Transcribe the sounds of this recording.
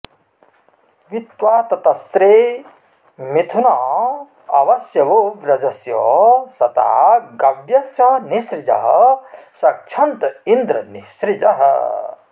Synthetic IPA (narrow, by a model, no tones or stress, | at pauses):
ʋit̪waːt̪ɐt̪ɐst̪ɾe | mit̪ʰunɐ | ɐʋɐsjɐʋoɾɐd͡ʒɐsjɔ̰sɐt̪a̰ɡɐbjɐsjɐnisɾid͡ʒɐ̰ɦɐsɐk̚t͡ʃʰɐnt̪ind̪ɾɐnisɾid͡ʒɐ̰ɦɐ̰